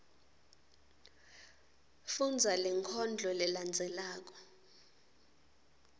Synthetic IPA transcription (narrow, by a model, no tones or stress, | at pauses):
fund͡zʱalɛŋkʰɔnd͡ɮʱɔlɛland͡zʱɛlaːk̬ɔ̥